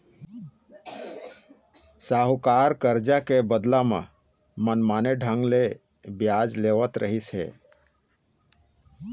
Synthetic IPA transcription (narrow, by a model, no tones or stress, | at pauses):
saːɦukaːɾkəɾd͡ʒakebəd̪lamḛ̃ | mənmaːneɖʱə̃ŋɡle | bjad͡ʒleʋət̪ɾəɦisɦḛː